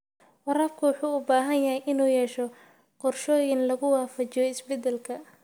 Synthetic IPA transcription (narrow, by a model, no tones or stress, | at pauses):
wɑɾɐːbkʰʊwɑħuːʊbaːɦɐnjɐɦɛjʔɪnuːjɛːʃɔ | qɔrʃɔːjɪnlɐɣʊwɑːfɐt͡ʃɪjɔɪsbɛd̪ɛlkʰɐ